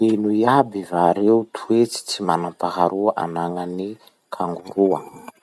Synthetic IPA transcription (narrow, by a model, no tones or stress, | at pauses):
enuiabivaɾeut̪ʰuet͡si̥t͡simanampaɦaɾuaʔa̰naŋani | kʰaŋɡuɾuə